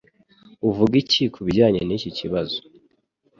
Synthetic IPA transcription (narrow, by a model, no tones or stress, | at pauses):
uvuɡicikʰuβiɟaːɲe̞niːciciβazo̥